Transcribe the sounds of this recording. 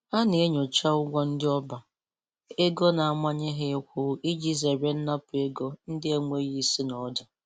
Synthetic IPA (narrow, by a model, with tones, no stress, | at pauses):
a˦ne˨e˦ɲo˨t͡ʃa˦ʊ˦ɡʷɔ˦n̩˦dɪ˦ɔ˦ba˨ | e˦ɡo˦na˨a˦mʷa˦ɲɪ˦ɦɪ˦kʷʊ˦i˦d͡ʒi˦ze˨ɾe˦n̩˦na˦pʊ˨e˦ɡo˦n̩˦dɪ˦e˦ŋʷe˦ɣi˦si˦nɔ˨˦d͡ʒa˨